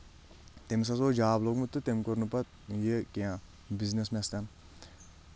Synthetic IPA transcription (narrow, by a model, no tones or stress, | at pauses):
t̪emis̬ɐs̬oːd͡ʒaːblokmut̪ːɨt̪emkoɾnupɐt̪ | jekejãː | biznesmest̪an